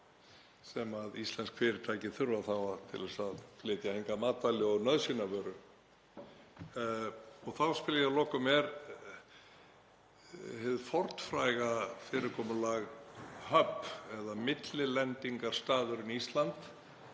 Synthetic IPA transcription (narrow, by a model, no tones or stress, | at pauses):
sɛmaðist̪lɛnskfɪːɾɪɾt̪ʰaːjcɪθʏɾvaθawat̪ʰɪ̰lvɛsaðflɪːt̪jahɪŋkamaːt̪alɪɔɣnœðsinavœɾʏ | ɔɣθawspɪljalɔːkʏmɛɾ | hɪðfɔɾ̥t̪fɾaːjɣafɪːɾɪɾkʰɔːmʏlaɣhœpːɛðamɪt̪lɪlɛnt̪iŋkaɾ̥st̪aːðʏɾɪniist̪lant̪